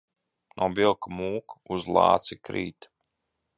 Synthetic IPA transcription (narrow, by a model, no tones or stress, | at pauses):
nʔubilˠkmuːkuzlˠɑ̰ːt̪sikɾḭːt̪